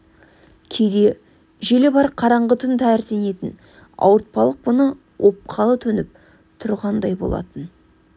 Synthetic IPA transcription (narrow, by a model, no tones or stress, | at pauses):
kʲʰejd̪e̞ | ʒe̞lebɑɾ̚qʰɑɾɑɴʁət̪ʰʏnt̪ʰæɾsene̞t̪ɪn | ɑ̰wəɾt̪̚pɑlˠəq̚bʊnə | wʔo̞p̚qʰɑlˠət̪ʰɵnɪp̚ | t̪ʰʊɾʁɑnd̪ɑjbo̞̰lˠɑ̰t̪ən